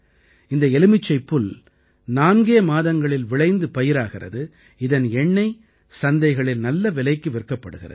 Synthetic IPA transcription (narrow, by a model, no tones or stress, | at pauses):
ɪnd̪ɐɛlɯmɪt͡ʃːɐɪpːʊl | naːnɡeːmaːðɐŋɡɐɭɪlʋɪɭɐɪnd̪ɯpɐjɪɾaːɣɪrɐ̰ðɯ | ɪðɐnɛɳːɐɪ | sɐnd̪ɐɪɣɐɭɪlnɐlːɐʋɪlɐɪkːɯʋɪrkːɐpːɐɽɯɣɪ̰rɐ̰ð